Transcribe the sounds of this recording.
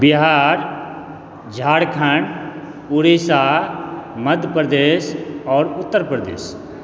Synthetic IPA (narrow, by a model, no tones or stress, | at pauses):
bɪɦaːɾ | d͡ʒʱaːɽkʰaɳɖ | uɾiːsaː | mɐd̪ʱpɾd̪eːsɔːɾʊt̪ːəɾpɾd̪ḛːs